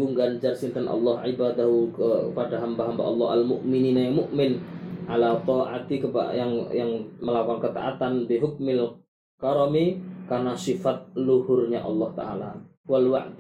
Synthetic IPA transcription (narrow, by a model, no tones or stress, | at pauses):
uŋɡand͡ʒarsint̪ənʔɑ̰lːɑhʕibad̪aɦukəəpadaɦambaɦamba̰ʔɑlˤːɑ̰ɦalmʊʔmininajaŋmʊʔmɪnʕalat̪ɑʔa̰t̪ikəpa̰jaŋjaŋməlawaŋkət̪a̰ʔat̪anbiɦʊk̚mɪl | kaɾɔmikarnasifat̪̚luhʊrɲaʔɑ̰lːɑht̪a̰ʔala | walwa̰ʔd̪